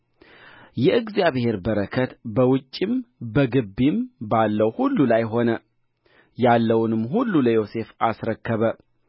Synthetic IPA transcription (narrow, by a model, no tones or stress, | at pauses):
jɛɨɡzijaβhe̞ɾbəɾəkʰət̪bəwʊt͡ʃʼːimbəɡɨbːimbalːəwhulːulajɦo̞nə | jalːəwnɨmːɦulːuləjo̞se̞fasɾəkːəβə